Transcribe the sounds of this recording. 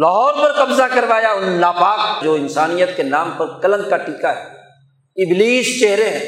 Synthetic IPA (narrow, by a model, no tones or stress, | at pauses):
laɦɔːɾpɐɾqɐbzakɐɾʋaːjaʊnːaːpaːk̚d͡ʒoːɪnsaːnijət̪kenaːmpɐɾkɐlə̃nd̪kaʈiːkaɦɛː | ɪbliːst͡ʃeɦɾeɦɛ̃ː